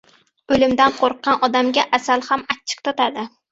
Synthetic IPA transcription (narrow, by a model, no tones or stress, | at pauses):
ɵlɪmd̪anqʰoɾqːɑnɒd̪amɡʲaʔasalˠhamat͡ʃʰːɪ̥qt̪ʰɒt̪ad̪ɪ